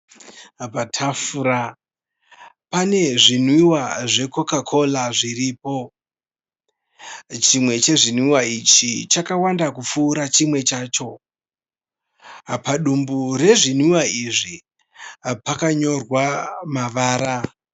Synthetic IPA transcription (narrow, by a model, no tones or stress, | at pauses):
patʰafura | pane̞ʐin̤wiwaʐe̞ko̞kakʰo̞laʐiriːpo̞ | t͡ʃimwe̞t͡ʃe̞ʐin̤wiwait͡ʃit͡ʃakawandakufuːɾat͡ʃimwe̞t͡ʃaːt͡ʃo̞ | paɗumbure̞ʐin̤wiwaiʐi | pakaɲo̞rwamaʋaːɾa